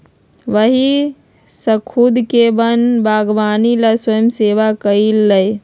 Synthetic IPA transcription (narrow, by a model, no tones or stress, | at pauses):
ʋəɦi | səkʰud̪ʱkebənbʱaɡʋanilaswəjəmseʋakəilːəj